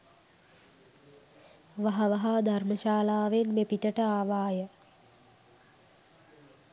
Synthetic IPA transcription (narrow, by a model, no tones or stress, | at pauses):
ʋaɦɐʋɐɦad̪ʱarməʃaːlaːʋenmepiʈəʈəaːʋaːjə